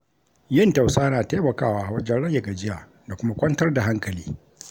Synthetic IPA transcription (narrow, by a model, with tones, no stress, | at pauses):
jɪ˦nta˨wsaː˦naː˨teː˦mɐ˨kaː˦˨waː˦ʔa˨wɐ˦d͡ʒɛ˦nɽɐ˦jːɐ˨ɡa˨d͡ʒɪ˦jaː˨ | da˨kʷʊ˦ma˦kʷɐ˦ntɐ˦rda˨ɦa˦ŋkɐ˨liː˦